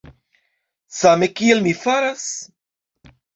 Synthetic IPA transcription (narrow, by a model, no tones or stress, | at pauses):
samekielmifaɾas